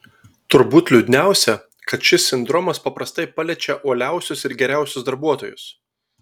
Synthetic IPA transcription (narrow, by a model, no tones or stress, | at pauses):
t̪ʊɾbuːt̪ʲlʲʊd̪ʲnʲæˑʊsʲɛ | kɐt̪ʃʲɪsʲɪnd̪ɾɔmɐspɐpɾɐst̪ɐɪpɐlʲɛt͡ʃʲɛʔoːlʲæˑʊsʲʊsɪɾɡʲɛɾʲæˑʊsʲʊsd̪ɐɾbuɔt̪oːjʊs